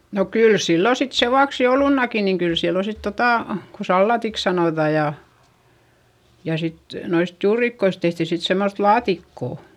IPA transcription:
no kyl silːo sit seʋuɑks joulunːɑki niŋ kyl silːo sit totɑˑ ko sɑlːɑtiks sɑnoˑtɑ jɑ jɑ sit noist juːrikːois tehti sit semːoθ lɑːtikːoˑ

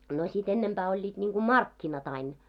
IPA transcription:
no sit enːemb̥æː olʲːiːd̥ nʲiːŋɡ̊u mɑrkːinɑt ɑin

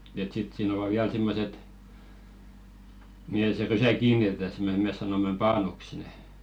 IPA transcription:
et sit siːn oʋɑ ʋiæl simːoset mihe se rysæ kiːnitetæ sem me mes̆ sɑnomˑem pɑːnuks neˑ

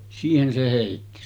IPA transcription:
siːhen se heˑitːi

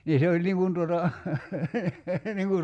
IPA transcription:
niː se olʲ niŋ kun tuotɑ niŋ kur

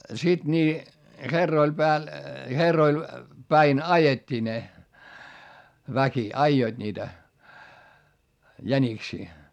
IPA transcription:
sid̥ niː herːoil pæːl herːoil pæin ɑjetʲːiː ne ʋæki ɑijoid̥ niːtæ jæniksiː

